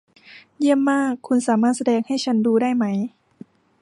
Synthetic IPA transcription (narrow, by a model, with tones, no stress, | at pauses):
ji˥˩əmːaː˥˩kʰːu˧nsaː˩˦maː˥˩t̪̚sa˧dɛː˧ŋha˥˩jt͡ɕʰa˦˥nduː˧daː˥˩jma˦˥j